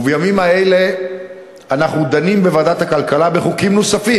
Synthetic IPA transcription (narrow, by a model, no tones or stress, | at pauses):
vjamimaele̞ | anaχnud̪animbevad̪at̪akalkalabe̞χukimnosafi